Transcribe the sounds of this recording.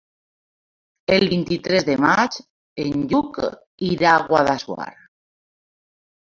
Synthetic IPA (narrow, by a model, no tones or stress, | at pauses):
elβint̪it̪ɾezðemat͡ʃ | enʎuk | iɾaɣwaðaswa̰ɾ